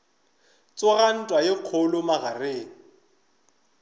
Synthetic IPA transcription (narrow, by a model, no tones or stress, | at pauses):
t͡sʼʊɣan̩tʼwaɪq͡χʰʊlʊmaɣareːŋ̩